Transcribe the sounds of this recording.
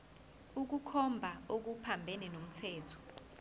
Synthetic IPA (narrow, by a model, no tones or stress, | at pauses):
uk̬ukʰɔmbʱaok̬upʰambʱɛnɛnom̩tʰɛːtʰɔ̥